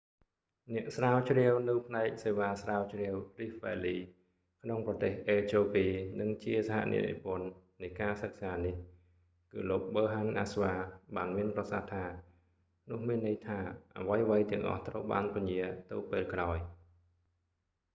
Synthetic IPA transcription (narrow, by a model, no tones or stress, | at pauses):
nɛ̆əʔsraːwt͡ɕriəwnɨwpʰnaɛk̚seːʋaːsraːwt͡ɕrɛəwrihʋɛːliː | kʰnoŋprɑt̪eːhʔeːt͡ɕoːpiːnɨŋt͡ɕiəsaɦa̰ʔnʔḭəʔḭpʊ̆ənː | ɨjkaːsək̚saːnih | kɨ̰ːloːk̚ɓəːɦanʔasʋaːɓaːnmiənprɑsaht̪ʰaː | nʊ̆əhmiənːɨəjt̪ʰaːʔa̰ʋəjʋəjt̪ɛ̆əŋʔɑ̰ht̪rəwɓa̰ːnpiɲiət̪ɨwpeːlkraɔj